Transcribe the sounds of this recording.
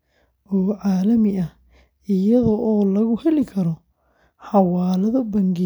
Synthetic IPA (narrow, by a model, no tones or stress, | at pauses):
ɔːʕaːlɐmɪʔɐh | ɪjɐðɔʔɔːlɐɣʊhɛlɪkʰɐɾɔ | ħɑwaːlɐðɔbɐŋɡɪ